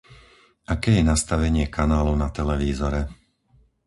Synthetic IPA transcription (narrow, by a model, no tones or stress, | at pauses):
ʔakɛːjɛnast̪aʋɛɲɪɛkʰanaːlɔʊnat̪ɛlɛʋiːzɔɾɛ